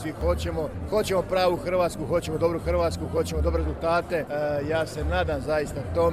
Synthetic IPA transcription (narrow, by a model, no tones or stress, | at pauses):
sʋixo̞t͡ɕe̞mo | xo̞t͡ɕe̞mo̞pɾaːʋuxr̩ʋaːt̪skuxo̞t͡ɕemod̪o̞bɾuxrʋaːt̪skuxo̞t͡ɕemod̪o̞bɾeɾezulˠt̪aːt̪e̞jaːse̞naːd̪amzajist̪at̪om